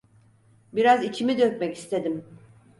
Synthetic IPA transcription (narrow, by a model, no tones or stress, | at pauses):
biɾazit͡ʃʰimid̪øcmɛci̥st̪ʰe̞d̪im